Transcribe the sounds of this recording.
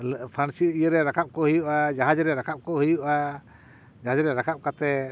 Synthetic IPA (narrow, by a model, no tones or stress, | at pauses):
lpʰansiijəɾɛɾakap̚kɔɦəjuʔad͡ʒaɦad͡ʒɾɛɾakʰap̚kɔhəjuʔa | d͡ʒaɦad͡ʒɾɛɾakʰap̚kat̪ɛ